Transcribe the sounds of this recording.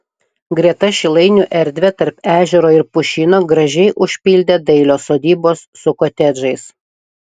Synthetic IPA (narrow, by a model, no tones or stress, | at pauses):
ɡɾʲiɛt̪ɐʃʲɪlˠɐɪnʲuʔɛɾʲd̪ʲʋʲɛt̪ɐɾpæːʒʲɛɾoːɪɾpʊʃʲinoːɡɾɐʒʲɛɪʔʊʃʲpʲilʲd̪ʲeːd̪ɐɪlʲoːsoːd̪ʲiːboːsːʊkot̪ʲɛd͡ʒɐɪs